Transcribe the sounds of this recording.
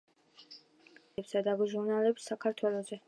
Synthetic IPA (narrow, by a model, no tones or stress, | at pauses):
psad̪aɡuʒuɾnalɛpsːakʰaɾt̪ʰwɛlˠɔzɛ